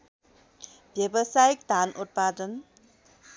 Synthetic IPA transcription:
bjebəsajik̚d̪ʱanʔut̪̚pad̪ən

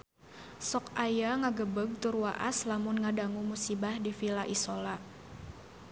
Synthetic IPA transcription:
sɔkajaŋaɡəbəɡ̚t̪urwaʔa̰slamʊnŋadaŋumusibahdifilaʔisola

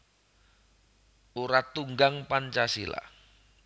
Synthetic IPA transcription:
uɾat̪uŋɡaŋpant͡ʃasila̰

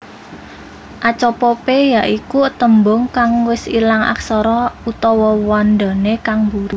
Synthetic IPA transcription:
ʔat͡ʃɔpɔpejaʔikuət̪əmbʊŋkaŋwɪsilaŋa̰ksɔɾɔut̪ɔwɔwand̪a̤nekaŋbuɾu

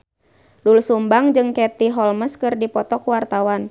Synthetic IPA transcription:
dulsumbaŋd͡ʒɨŋkɛt̪iɦɔlməskɨrdipɔt̪ɔkuwart̪awan

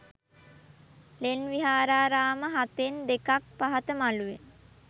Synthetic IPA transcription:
lenʋiɦaːɾaːɾaːməɦat̪end̪ekak̚paɦat̪əmaluʋe

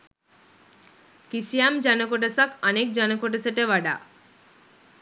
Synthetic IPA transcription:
kisijamd͡ʑanəkoʈəsakənek̚d͡ʑanəkoʈəsəʈeʋaɖa̰

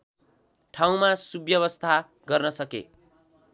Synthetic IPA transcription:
ʈʰaw̃masubjʌβʌst̪ʰa | ɡʌrnʌsʌkḛ

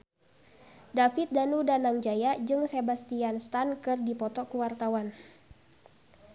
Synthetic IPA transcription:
dafit̪̚danudanaŋd͡ʒajad͡ʒɨŋsebast̪ianst̪ankɨrdipɔt̪ɔkuwart̪awan

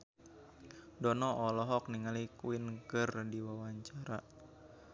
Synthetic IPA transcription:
dɔnɔʔɔlɔɦɔk̚niŋalikuɪnkərdiwawaɲt͡ʃaɾa

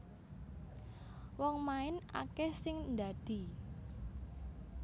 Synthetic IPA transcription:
wɔŋmaɪna̰kɛsɪŋnd̪a̤d̪̥i̤

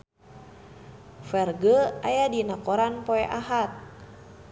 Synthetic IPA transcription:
fɛrɡəajadinakoɾanpoɛʔaɦat̪̚

